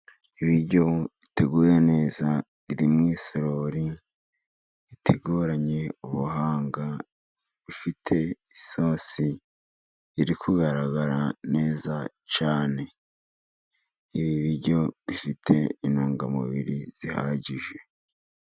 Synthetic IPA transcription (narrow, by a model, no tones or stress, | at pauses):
iβiɾɟo̞βite̞ɡuːjene̞ːza | βiɾimŋiːsoɾo̞ɾi | βitʰeɡuːɾaɲe̞uβuɦaːŋɡa | βifitʰe̞iso̞si | iɾikʰuɡaɾaɡaɾane̞ːza | t͡ʃaːne̞ | iβiβiɾɟo̞βifitʰe̞inuːŋɡamṵβḭɾiz̥iha̰ːɟiʒwe̞